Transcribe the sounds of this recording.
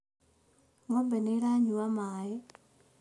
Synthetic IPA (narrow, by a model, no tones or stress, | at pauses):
ŋɔbeneɾaɲuamaɛ